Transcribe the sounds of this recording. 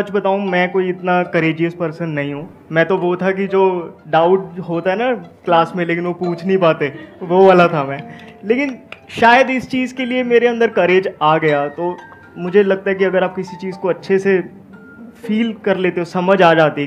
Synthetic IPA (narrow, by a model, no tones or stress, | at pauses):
sɐt͡ʃbɐt̪aːũmɛ̃ːkoːiɪt̪nakɐɾeːd͡ʒijəspɐɾsənːɐɦĩɦũː | mɛ̃ːt̪oʋot̪ʰak̬id͡ʒoːɖaːʊʈɦoːt̪aɦɛnaklaːsmẽleːkɪnʋopuːt͡ʃʰnəɦĩpaːt̪eʋoʋaːlat̪ʰamɛ̃ːleːkɪnʃaːjəd̪ɪst͡ʃiːzkeliemeːɾeɐ̃nd̪əɾkɐɾeːd͡ʒaːɡɐjat̪oː | mʊd͡ʒʱelɐɡ̚t̪aɦɛk̬iɐɡəɾaːp̚kɪsit͡ʃiːzkoɐtːʃʰese | fiːlkɐɾleːt̪eɦosɐməd͡ʒaːd͡ʒaːt̪i